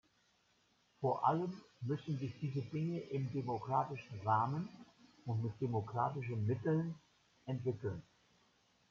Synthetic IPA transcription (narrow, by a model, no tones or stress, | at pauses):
foːɐʔaləmːʏsn̩zɪçd̥iːzədɪŋəʔɪmdemokʁ̥aːtɪʃn̩ʁaːmən | ʊntmɪt̚d̥emokʁ̥aːtɪʃ̬ənmɪtl̩n | ʔɛntv̥ɪkl̩n